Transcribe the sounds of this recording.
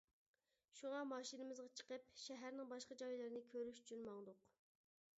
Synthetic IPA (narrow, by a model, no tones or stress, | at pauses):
ʃuŋɑmɑːʃinɪmɪzʁɑt͡ʃʰə̥qəp̚ʃɛɦæɾnɪŋbɑʃqɑd͡ʒɑilˠɨɾɪnɪkʲʰøɾyʃy̥t͡ʃʰynmɑŋd̪ʊq